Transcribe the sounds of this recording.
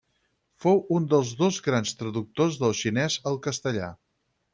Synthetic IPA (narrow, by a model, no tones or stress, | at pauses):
fowund̪əlˠzðozɣɾanst̪ɾəðuk̚t̪ozðəlˠʃinɛzəlˠkəst̪əʎa̰